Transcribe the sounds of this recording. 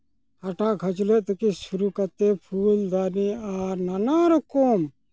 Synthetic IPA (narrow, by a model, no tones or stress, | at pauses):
haʈaɡʱɐt͡ʃlɛʔt̪ɔkisuɾukat̪epʰuld̪aniaɾnanaɾɔkom